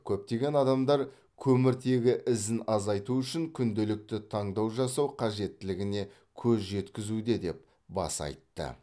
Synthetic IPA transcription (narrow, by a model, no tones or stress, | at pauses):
kʲʰɵp̚t̪e̞ɡʲe̞nɑd̪ɑmd̪ɑɾ | kʲʰɵmɪɾt̪ʰe̞ɡʲɪʔɪzɪnɑzɑjt̪uʏʃɪŋkʲʰʏnd̪elɪk̚t̪ɪt̪ʰɑɴd̪ɑwʒɑsɑwqʰɑʒe̞t̪ːɪlɪɡʲɪne̞ | kʲʰɵzʒe̞t̪kʲɪzud̪e̞d̪e̞p | bɑ̰sɑ̰jt̪ːə̰